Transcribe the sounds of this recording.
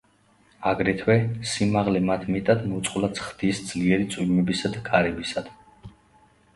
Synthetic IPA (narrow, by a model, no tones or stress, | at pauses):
aɡɾɛt̪ʰwɛsimaʁlɛmat̪ʰmɛt̪ʼad̪mut̪sʼqʼlat̪sχd̪̥iːsd̪z̥liɛɾit̪sʼwimɛbisad̪akʼaɾɛbisad̪̥